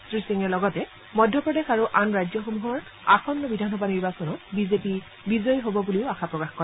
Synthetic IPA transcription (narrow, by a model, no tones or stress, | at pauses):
tɹisiŋɛlɔɡɔtɛ | mɔjdʱjɔpɹɔdexaɹuʔanɹajzjɔxomuɦɔɹ | axɔnːɔbidʱanxɔbʱaniɹbasɔnɔtbizepi | bizɔjɦobɔbuliʊaxapɹɔkaxkɔɹɛ